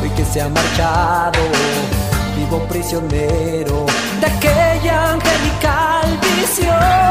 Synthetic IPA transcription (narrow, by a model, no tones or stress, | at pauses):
pojkesːeamːart͡ʃaðo | t̪ivopɾisjonɛ | ɾo | d̪akːeʎːaŋkelikalvisjo